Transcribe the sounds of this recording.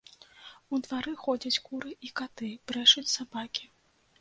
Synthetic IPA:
ud̪vaɾɨxɔd͡zʲɐt͡sʲkuɾɨʔikat̪ɨb̥ɾɛʂɐt͡sʲsabakʲi̥

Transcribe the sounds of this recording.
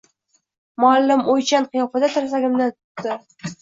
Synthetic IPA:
mʊalːɪmojt͡ʃanqɨjɒfad̪at̪ʰʊɾas̬aɡʲɪmd̪ɪt̪ʰʊ̥t̪ːɪ

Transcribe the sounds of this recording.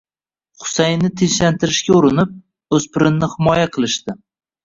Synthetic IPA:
χʊ̥sajnːɪt̪ʰeʃlant̪ʰɪɾɪʃkʲaʊɾɪnɪp̚ | ɵz̥pɪɾɪnnːɪhɪmɒjaqʰɨlˠɪʃt̪ɪ

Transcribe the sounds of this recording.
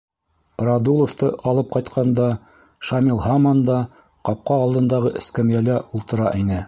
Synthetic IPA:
rɑd̪ulˠoft̪ɤʔɑlˠɤp̚qɑjt̪qʰɑnd̪ɑ | ʃamʲilˠɦɑmɑnd̪ɑ | qɑp̚qɑːlˠd̪ɤ̆nd̪ɑʁɤʔɘ̆skæmjælæulˠt̪ɤ̆ɾɑʔinɘ

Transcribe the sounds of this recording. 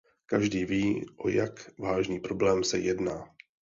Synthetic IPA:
kaʒdiːviːʔo̞̰jakvaːʒniːpɾo̞blɛːmsɛ̰jɛdnaː

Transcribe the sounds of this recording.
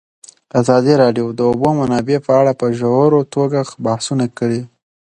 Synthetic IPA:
azɑd̪iɾɑɖjod̪əobomanɑbepəaɽapəʒowɾot̪oɡabahsunakəɽi

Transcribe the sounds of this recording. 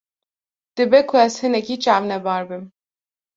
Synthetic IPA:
d̪̥ɨbɛkʰʊɛzhɨnɛkit͡ʃɑːvnɛbɑːɾbɨm

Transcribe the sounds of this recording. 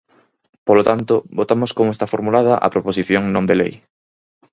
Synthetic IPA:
polot̪ant̪obot̪amoskomoest̪afoɾmulað̞ɐʔɐ̰pɾoposiθjoŋnõnd̪elḛj

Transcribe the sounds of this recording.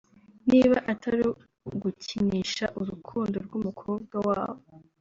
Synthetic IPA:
niːβaʔataɾi | ɡuciɲiːʃaʔuɾukʰuːndoɾɡumukʰo̞ːb̚ɡawaːwo

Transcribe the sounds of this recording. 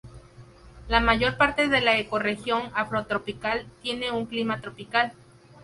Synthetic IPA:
lamaʝo̞ɾpaɾt̪e̞ðe̞laeko̞rexjo̞ŋafɾo̞t̪ɾo̞pikalt̪je̞ne̞uŋklimat̪ɾo̞pikal

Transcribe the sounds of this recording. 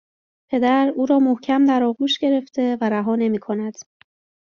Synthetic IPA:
pʰe̞d̪æɾuːɾɒːmohcʰæmd̪æɾɒːɣuːʃɟe̞ɾe̞ft̪ʰe̞væɾæɦɒːne̞miːkʰo̞næd̪̥

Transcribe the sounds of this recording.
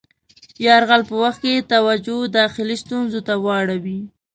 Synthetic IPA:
jɑɾɣalpəwaxt̪̚ket̪awad͡ʒod̪ɑxɪlist̪unzot̪awɑɽawi

